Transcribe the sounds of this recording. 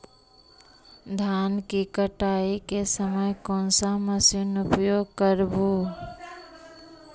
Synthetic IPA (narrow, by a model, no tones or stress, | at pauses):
d̪ʱjaːnkikəʈaːikesəməjkɔ̃ːnsaməsinʊpjoːɡ̚kəɾbu